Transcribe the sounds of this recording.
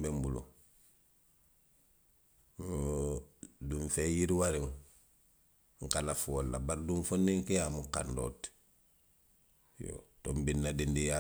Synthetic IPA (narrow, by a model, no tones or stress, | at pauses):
bembulṵ | duɱfejiɾiwaɾiŋ | ŋ̩kalafuolːabaɾduɱfonːiŋkejamuka̰ndo̰t | jo̰tombinːadindija